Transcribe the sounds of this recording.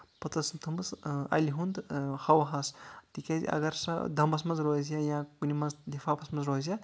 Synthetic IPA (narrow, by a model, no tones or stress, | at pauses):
pɐt̪ɐsmt̪ʰɐmbɨsɐ̰lʲiɦund̪hɐwɐɦɐst̪ikʲazḭʔɐ̰ɡɐɾsɐ̰d̪ʱɐmbɐsmɐnzɾoːzjajãkunimɐnzd̪ifʰaːpʰɐsmɐnzɾoːzʲja